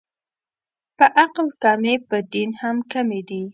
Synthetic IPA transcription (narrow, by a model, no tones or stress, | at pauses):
pəʔaqlkɑmepəd̪inhamkamed̪i